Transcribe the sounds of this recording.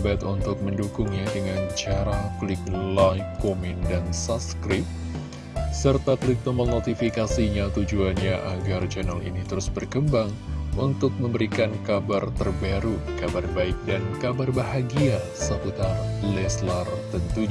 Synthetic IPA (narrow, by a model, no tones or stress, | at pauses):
bat̪unt̪ʊk̚məndukʊŋɲadəŋant͡ʃaɾaklɪk̚lajfkomindansaskɾɪp̚ | sərt̪aklɪk̚t̪omənot̪ifikasiɲat̪ud͡ʒuanɲaʔaɡart͡ʃɛnalḭnit̪əɾʊsbərkəmbaŋunt̪ʊk̚məmbəɾikankabart̪ərbaɾukabarbaɪk̚dankabarbaɦaɡia | səput̪arlɛslərt̪ənt̪u